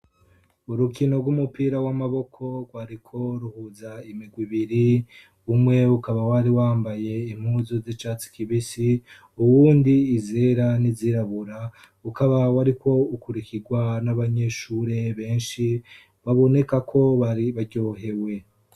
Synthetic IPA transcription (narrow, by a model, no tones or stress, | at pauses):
uɾukino̞ɡwumupiːɾawamaβo̞kʰo̞ɡwaɾikʰo̞ɾuhuzaimiɡwiβiɾi | umŋe̞ukaβawaɾiwaːmbaje̞im̥huːzozit͡ʃaːt͡si̥kʰiβisi | uwuːndiːze̞ɾaniziɾaβuɾa | ukaβawaɾiko̞ukuɾikiɡwanaβaɲe̞ʃuːɾe̞βe̞ːnʃi | βaβo̞ne̞kakʰo̞βaɾiβaɾɟo̞ːɦe̞we̞